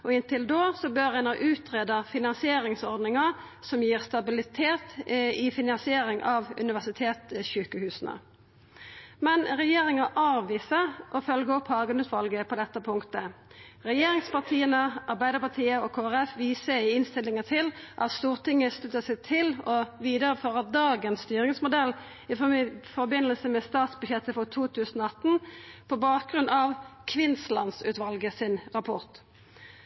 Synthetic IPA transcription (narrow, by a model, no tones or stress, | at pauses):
ɔɪnt̪ɪld̪oːsɔbœʁɛnɑʔʉːt̪ʁeːd̪əfɪnɑnsɪeːɾɪŋsɔɾd̪nɪŋɑ | sɔmjiːʁst̪ɑbɪlɪt̪ʰeːt̪ɪfɪnɑnsɪeːɾɪŋʔɑʋʉ̰nɪʋæʁsɪt̪ʰeːt̪ɕʉːkəhʉːsənə̰ | mɛnʁɛjeːɾɪŋɑʔɑːʋʋiːsəʁʔɔfœlɡəɔphɑːɡənʉːt̪ʋɑlɡəpʰɔd̪ɛt̪ːəpʰʊŋkt̪əʁɛjeːɾɪŋspɑʁt̪ʰiːənəʔɑʁbæɪd̪əɾpɑt̪ʰiːəɔkʰoːæʁɛfʋiːsəɪɪnst̪ɪlːɪŋət̪ʰɪlʔɑ̰t̪st̪uːʁt̪ɪŋːəst̪ʉt̪ːəsɛɪt̪ʰɪlɔʋiːd̪əɾəføːʁɑt̚d̪ɑːɡənst̪yːɾɪŋsmʊd̪ɛl | ɪfɔbɪnːəlsəmɛst̪ɑːt̪sbʉçjɛt̪ːəfɔʁt̪ʰuːt̪ʰʉːsənoɑt̪n̩pʰɔbɑːt̪̚ɡɾʉnɑʋkʰʋɪnslɑ̰nsʉːt̪ʋɑlɡəsɪnʁɑpʰɔʁt̪